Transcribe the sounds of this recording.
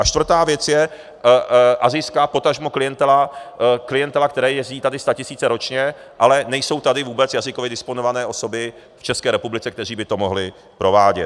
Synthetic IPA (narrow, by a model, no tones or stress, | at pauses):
ʔat͡ʃt̪vr̩t̪aːvjɛt͡sjɛ | ʔazɪjskapo̞t̪aʒmoklɪjɛnt̪ɛlaklɪjɛnt̪ɛlak̚t̪ɛɾɛːjɛzɟiːt̪adɪst̪acɪsiːt͡sɛɾo̞t͡ʃɲɛʔalɛnɛjso̞wt̪adɪvuːbɛt͡sjazɪkovjɪdɪsponovanɛːʔo̞so̞bɪ | ft͡ʃɛskɛːɾɛpublɪt͡sɛkt̪ɛriːbɪt̪o̞mo̞ɦlɪ | pɾo̞vaːɟɛt̪